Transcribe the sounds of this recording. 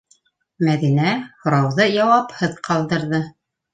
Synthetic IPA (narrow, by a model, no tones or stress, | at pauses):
mæðinæhŏɾɑwðɤjɑwɑphɤðqɑlˠd̪ɤ̆ɾðɤ